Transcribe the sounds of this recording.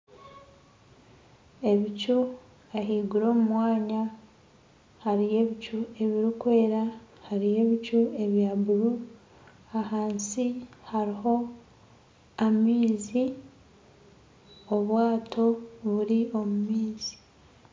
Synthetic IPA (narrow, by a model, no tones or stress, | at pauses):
e̞βicu | eɦiːɡuɾo̞ːmumwaːɲa | haɾije̞βicue̞βiɾikwe̞ːɾahaɾije̞βicue̞βjaːbuɾu | ahaːnsihaɾiho̞ | amiːzi | oβwaːtʰo̞βuɾio̞mumiːzi̥